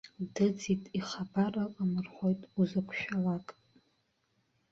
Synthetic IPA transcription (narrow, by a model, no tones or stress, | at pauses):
dɨd͡zitʼiχabaraqʼamɨrχʷojtʼuzakʷʰʃᶣalakʼ